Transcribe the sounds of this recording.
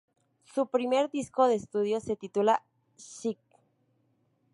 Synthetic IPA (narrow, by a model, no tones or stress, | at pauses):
supɾime̞ɾd̪isko̞ðeːst̪uðjo̞se̞t̪it̪ula | ʃik̚